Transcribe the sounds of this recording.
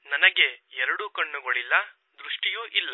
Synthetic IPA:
nɐnɐɡe̞ɛɾɐɽukɐɳːuɡoɭilːɐ | d̪ɾuʂʈijuːʔilːɐ

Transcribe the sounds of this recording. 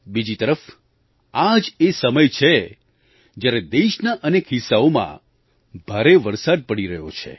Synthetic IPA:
bid͡ʒit̪əɾəf | ad͡ʒesəməjt͡ʃʰe | d͡ʒjaɾed̪eʃnaʔənekɦɪsːaomã̰ | bʱaɾeʋəɾsad̪̚pəɽiɾəɦjo̰t͡ʃʰḛ

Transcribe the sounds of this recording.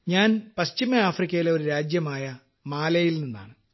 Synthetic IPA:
ɲaːnpɐɕt͡ɕimɐaːfrikʲːɐjileo̞ɾuɾaːd͡ʑjɐmaːjɐ | maːlɐjilninːa̰ːɳɨ

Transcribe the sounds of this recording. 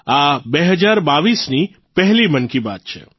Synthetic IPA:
abeɦəd͡ʒaɾbaʋisni | pəɦlimənkiba̰t̪̚t͡ʃʰḛ

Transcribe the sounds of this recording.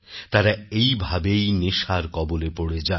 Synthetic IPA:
t̪aɾaejbʱabejneʃaɾkɔbolepoɽed͡ʑa

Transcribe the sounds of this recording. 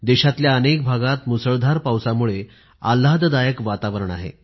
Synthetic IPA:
d̪eɕat̪ljaənek̚bʱaɡat̪musəɭd̪ʱaɾpawsamuɭe | a̰lːad̪d̪ajəkʋat̪aʋəɾəɳa̰ɦḛ

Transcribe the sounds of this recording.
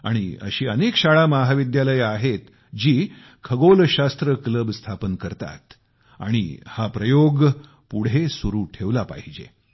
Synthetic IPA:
a̰ɽ̃ḭə̰ɕiːənekɕaɭamaɦaʋid̪jaləjaɦet̪ | d͡ʑiː | kʰəɡolɕast̪ɾəkləbst̪ʰapənkəɾt̪a̰t̪ | a̰ɽ̃ḭhapɾəjoɡ | puɽ̤esuɾuːʈʰeʋlapa̰ɦid͡ʑḛ

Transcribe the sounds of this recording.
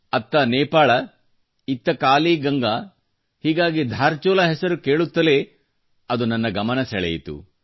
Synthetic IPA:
ɐt̪ːɐnɛːpaːɭɐ | it̪ːɐkaːliːɡɐŋɡɐ | hiːɡaːɡid̪ʱaːɾt͡ʃɔːlɐɦɛsɐɾukeːɭut̪ːɐle | ɐd̪unɐnːɐɡɐmɐnɐsɛɭɛ̰jit̪ṵ

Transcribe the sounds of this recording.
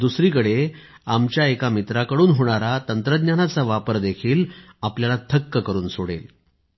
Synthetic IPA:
d̪usɾiːkəɽe | amt͡ɕjaekamit̪ɾakəɽuːnɦoɽ̃aɾat̪ənt̪ɾəd̪njanat͡saʋapəɾd̪ekʰiːl | apljalat̪ʰəkːəkəɾuːnsoɽḛl

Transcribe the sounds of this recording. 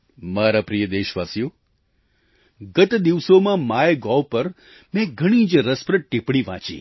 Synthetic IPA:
maɾapɾijəd̪eʃʋasijo | ɡət̪d̪iʋsomãmaeɡɔʋpəɾ | mɛ̃ɡʱəɽ̃id͡ʒɾəspɾəʈipɽ̃iʋã̰t͡ʃḭ̃

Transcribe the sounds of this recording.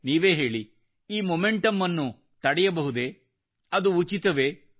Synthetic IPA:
niːʋe̞ːɦe̞ːɭi | iːmomeɳʈɐmːɐnːu | t̪ɐɽɛjɐbɐɦud̪e̞ | ɐd̪uːt͡ʃit̪ɐʋe̞ː

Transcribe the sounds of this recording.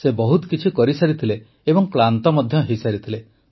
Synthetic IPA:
sebɔɦut̪ɔkit͡ʃʰikɔɾisaɾit̪ʰile | ebɔŋklant̪ɔmɔd̪ʱjɔɦejsaɾit̪ʰile

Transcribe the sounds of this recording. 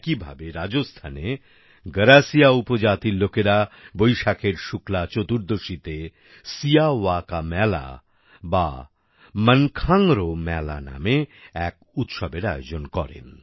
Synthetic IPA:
kibʱa̰beɾad͡ʑost̪ʰane | ɡəɾasijaupod͡ʑat̪ilokeɾabojʃakʰeɾʃuklat͡ɕot̪uɾd̪oʃit̪e | sijawakamɛla̰ | ba | mənkʰaŋɾomɛla̰na̰meɛk̚ | ut̪ʃɔbeɾajod͡ʑonkɔɾḛn

